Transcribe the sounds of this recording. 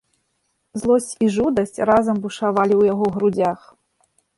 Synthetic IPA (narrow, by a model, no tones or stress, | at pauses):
zlˠɔsʲt͡sʲiʐud̪ɐsʲt͡sʲrazɐmbuʂavalʲiwjaɣɔɣɾud͡zʲax